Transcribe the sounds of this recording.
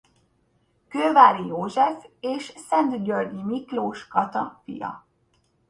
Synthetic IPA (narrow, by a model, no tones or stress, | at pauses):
køːvaːɾijoːʒɛfeːʃsɛnt̪ɟørdimikloːʃkɒt̪ɒfḭjɒ̰